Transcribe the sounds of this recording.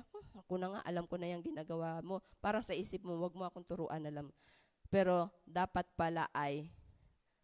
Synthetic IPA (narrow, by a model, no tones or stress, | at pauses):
oɐkonɐŋa̰ʔɐlamkonɐjaŋɡɪnaːɡɐwamo̞paːɾɐŋsɐʔiːsɪp̚mowɐɡ̚moʔɐkont̪ʊɾoːʔɐnɐlam | pɛːɾo̞d̪aːpɐt̪̚pɐla̰ʔɐj